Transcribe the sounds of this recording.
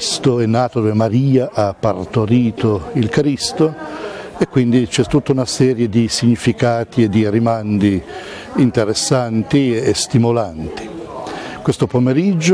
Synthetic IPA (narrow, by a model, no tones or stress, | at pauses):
st̪oɛnːaːt̪od̪ovemaɾiːaʔapːart̪oɾiːt̪oilkɾist̪o | ekːwind̪it͡ʃɛt̪ːut̪ːaunasɛːɾjed̪isiɲːifikaːt̪ied̪ːiɾimand̪i | int̪eɾesːant̪iest̪imolant̪i̥ | kwest̪opomeɾid͡ʒː